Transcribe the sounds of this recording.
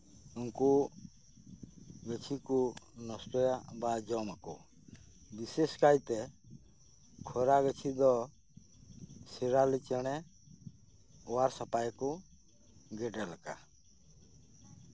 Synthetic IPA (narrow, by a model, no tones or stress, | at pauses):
unku | ɡət͡ʃʰikunɔsʈɔjabad͡ʒɔmakɔ̰ | biseskajt̪ɛ | kʰɔɾaɡət͡ʃʰid̪ɔ | siɾalit͡ʃɛɽ̃ɛ | ɔaɾsapajku | ɡɛɖɛlaka̰